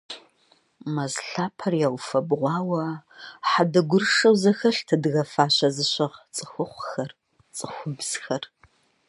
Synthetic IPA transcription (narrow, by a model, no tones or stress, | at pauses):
mɐzɬaːpʰɐrjaːwfɐbʁʷɑːwɐħadɐɡʷʊrʂɐwzɐxɐɬtʰɐdɨɣɐfaːɕɐzɨɕʷɐʁt͡sʼɨxʷʊχʷxɐr | t͡sʼɨxʷʊbz̥xɐr